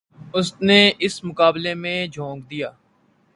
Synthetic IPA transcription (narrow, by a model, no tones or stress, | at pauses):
ʊsneɪsmʊkaːblemẽd͡ʒʱõːɡd̪ijaː